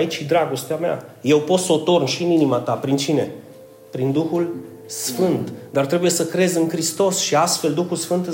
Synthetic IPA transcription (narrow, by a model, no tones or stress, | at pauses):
it͡ʃid̪ɾaɡo̞st̪eamea̰je̞wpo̞t̪səot̪o̞rnʃiɨninimat̪apɾint͡ʃine̞ | pɾind̪uxul | sfɨnt̪d̪art̪ɾe̞buje̞səkɾe̞zɨŋkɾist̪o̞sʃiast̪fe̞ld̪uxulsfɨnt̪ɨ